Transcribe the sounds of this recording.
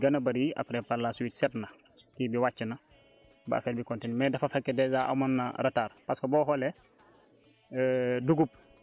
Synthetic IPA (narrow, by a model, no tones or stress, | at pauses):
ɡɐnɐbaɾiʔa̰pɾɛpalːasuwiːtsɛtna | kibiwat͡ʃːəna | ba̰fɛːɾbikontenmɛdɐfafakːɛdɛzaʔa̰manːa̰ɾɐtaːɾpaskobɔːɦɔlɛ | duɡup̚